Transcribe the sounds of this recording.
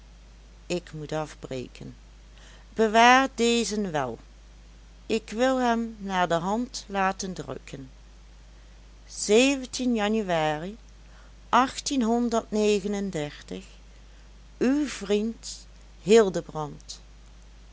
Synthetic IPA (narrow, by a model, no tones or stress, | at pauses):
ɪkmutɑfbrḛkʰən | b̥əʋaːɹdeːzənʋɛ̰lˠ | ɪkʋɪlˠɦɛmnaːɹdəɦɑntlaːtəndrɵ̰kʰən | z̥eːvəntʰinjɑnyaːri | ʔɑxtinɦɔndəɹtnejɣənəndɛɹtəx | ywv̥rint | hɪlˠdəbrɑnt